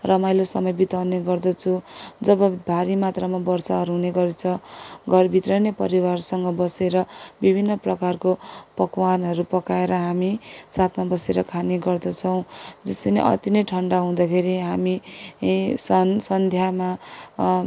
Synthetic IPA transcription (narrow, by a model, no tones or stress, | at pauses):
rʌmajlosʌmʌjbit̪awneɡʌrd̪ʌt͡sʰũd͡zʌbʌbʱaɾimat̪ramabʌrsaɦʌɾɦũneɡʌɾet͡sʰʌɡʌrbʱit̪rʌjnepʌɾiwarsʌŋɡʌbʌseɾʌbibʱinːʌprʌkarkopʌkwanʌɾupʌkaeɾʌɦamisat̪ʰmabʌseɾʌkʰaneɡʌrd̪ʌt͡sʰʌw̃d͡zʌst̪ʌnḛʔʌ̰t̪inʌʈʰʌɳɖaɦũd̪akʰeɾiɦami | sʌsʌnd̪ʱjama